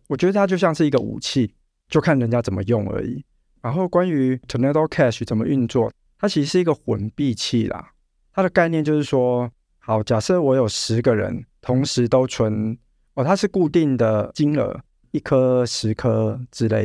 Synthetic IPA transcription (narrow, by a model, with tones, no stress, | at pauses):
wɔ˨˩t͡ɕɥɛ˧˥d̪ə˧t̪ʰa˦t͡ɕjo˥˧ʊɕjɑ˥˧ŋʂɻ̩˥˩i˧˥ɡə˧˨ṵ˨˩t͡ɕʰi˥˨ | t͡ɕjo˥˧ʊkʰa˥˨nɻə˧˦nt͡ɕja˦t͡sə˨˩nmə̰˦jʊ˥˩ŋə̰˧˥ḭ˨˩ | ɻa˧˦nxo˥˩ʊkwa˦ny˧˥t̪ʰə˨nɛ˥t̪o˥kʰɛ˥˧st͡sə˨˩mə˦ʔy˥˧nt͡swɔ˥˩ | t̪ʰa˦˥t͡ɕʰi˧˥ʂɻ̩˧ʂɻ̩˥˩i˧˥ɡə˨xwə˧˩npi˥˧t͡ɕʰi˥˩lɐ̰˩ | t̪ʰa˦ɾə˨ka˥˧ɪnjɛ˥˧nt͡ɕjo˥˧ʊʂɻ̩˥˩ʂwɔ˥ | xɑ˨˩ʊt͡ɕja˨˩sɤ˥˩wɔ˧˥jo˨˩ʊʂɻ̩˧˦ɡə˨ɻə̰˧˦nt̪ʰʊ˧˦ŋʂɻ̩˧˦t̪o˥ʊt͡sʰwə˧˦n | ɔ˥˨˩t̪ʰa˦ʂɻ̩˥˧ku˥˧t̪i˥˩ŋd̪ə˩t͡ɕi˥nə̰˧˥˦ | i˥˩kʰə˥ʂɻ̩˧˦kʰə˥ʈ͡ʂɻ̩˥le˥˩ɪ